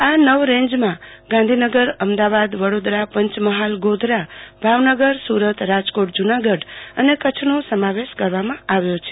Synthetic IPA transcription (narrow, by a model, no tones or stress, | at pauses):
anəʋɾẽɲd͡ʒmãɡãnd̪ʱinəɡəɾəmd̪aʋad̪ʋəɽod̪ɾapə̃ɲt͡ʃməɦalɡod̪ʱɾabʱaʋnəɡəɾsuɾət̪ɾad͡ʒkoʈ̚d͡ʒunaɡəɖənekət͡ʃʰnosəmaʋeʃkəɾʋamãaʋjot͡ʃʰe̥